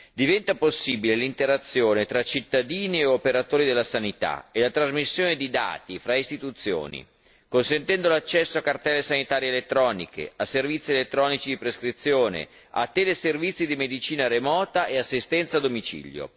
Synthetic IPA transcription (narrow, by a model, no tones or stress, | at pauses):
d̪ivɛnt̪aposːiːbilelint̪eɾat̪sːjoːnet̪ɾat͡ʃit̪ːad̪iːnieopeɾat̪oːɾid̪elːasanit̪a̰elat̪ɾazmisːjoːned̪id̪a̰ːt̪ifɾaist̪it̪ut̪sːjo̰ːnḭ | konsent̪ɛnd̪olat͡ʃːɛsːoakːart̪ɛːlːesanit̪aːɾjeːlet̪ːɾɔːnḭkḛasːervit̪sːielet̪ːɾɔːnit͡ʃid̪ipɾeskɾit̪sːjoːnḛ | a̰t̪ːɛːleservit̪sːid̪imed̪it͡ʃiːnaɾemɔːt̪aʔeasːist̪ɛnt̪sad̪omit͡ʃḭljo̰